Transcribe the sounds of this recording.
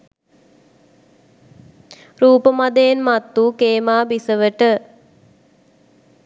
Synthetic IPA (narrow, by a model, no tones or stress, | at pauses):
ɾuːpəmad̪əjenmat̪ːukeːmaːbisəʋəʈə